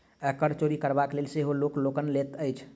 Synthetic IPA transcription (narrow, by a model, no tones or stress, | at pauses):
əkəɾt͡ʃoɾikəɾbaklelseɦolokloːkənlet̪əɪt͡ʃʰ